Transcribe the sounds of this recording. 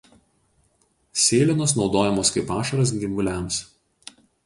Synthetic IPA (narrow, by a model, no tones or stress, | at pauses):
sʲeːlʲɪnoːs̬nɒʊd̪oːjɛmoːskɐɪpɑːʃɐɾɐs̬ɡʲɪmɡʊlʲæˑms